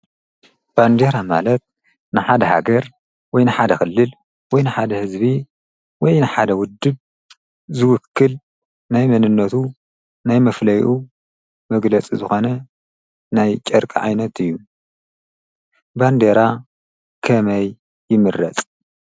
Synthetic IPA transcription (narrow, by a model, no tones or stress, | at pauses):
b̥and̪eɾama̰lɐt̪̚ | nɨħad̪ɐha̰ɡɐɾ | wɔjnɨħad̪ɐxɨlːɨl | wɔjnɨħad̪ɐhɨzbi | wɔjnɨħad̪ɐwʊd̪ːɨb | zɨwʊkʰːɨl | najmɐnɨnːɐt̪ʰu | najmɐflɐjʔu | mɐɡlɐt͡sʼizɨxo̞nɐ | najt͡ʃʼɐɾkʼiʕa̰jnɐt̪ɨjːu | band̪eɾa | kʰɐmɐjː | ɪmɨɾɐ̰t͡sʼ